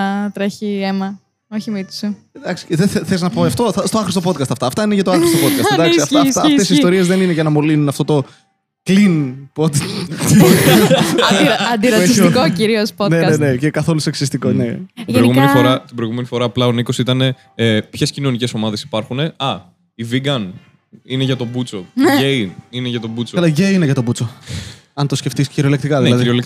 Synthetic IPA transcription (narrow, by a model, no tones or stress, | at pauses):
ɐt̪ɾeçiemɐ | oçimit̪u̥su | d̪ɐksi̥eðeθeθeliznɐpoɐft̪oθɐst̪oɐxɾist̪opo̞d̪̚kɐst̪ɐft̪ɐːft̪ɐineʝɐt̪oɐxɾist̪opod̪kɐsd̪ɐksiɐft̪ɐft̪esist̪o̞ɾiezðe̞nineʝɐnɐmolinunɐft̪o̞t̪o̞ | klinpod̪od̪kɐs | ɐnd̪ɾɐeiskociɾiosponenene̞cekɐθo̞luseksist̪ikonḛtiɾoiɣuenifoɾɐt̪ibɾojɣume̞nifo̞ɾɐːplɐo̞nikosit̪ɐne̞ | pçe̞scino̞nice̞so̞mɐðe̞si̥pɐɾxune̞ɐ | iviɡɐn | ineʝɐt̪o̞but͡so̞einineʝɐt̪o̞but͡soɐlɐʝeineʝɐt̪obut͡so̞ɐnt̪o̞sce̞ft̪isciɾio̞lekt̪ikɐðiilɐðiɾiolek